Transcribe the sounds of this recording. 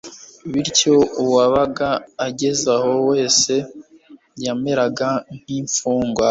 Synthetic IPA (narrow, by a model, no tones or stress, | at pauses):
βiɾco̞uwaβaɡaːɟe̞zaho̞we̞ːse̞ | jame̞ɾaɡan̥iːɱfuːŋɡwa